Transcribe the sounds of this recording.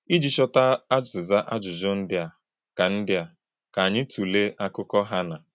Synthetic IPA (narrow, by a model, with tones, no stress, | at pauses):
i˦d͡ʒi˨ʃɔ˦ta˦a˦d͡ʒʊ˨za˦ʔa˦d͡ʒʊ˨zʊ˦n̩˦dɪ˦a˨ | ka˨n̩˦dɪ˦a˨ | ka˨ɲɪ˦tʰu˨le˦ʔa˦kʊ˦kɔ˦ɦa˦na˨